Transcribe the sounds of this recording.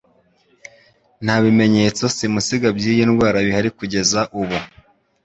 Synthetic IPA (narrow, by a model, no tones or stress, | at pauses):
n̥haːβime̞ɲe̞ːt͡so̞simusiɡabɟiːjenwaːɾaβihaɾikuɟe̞zaʔuβu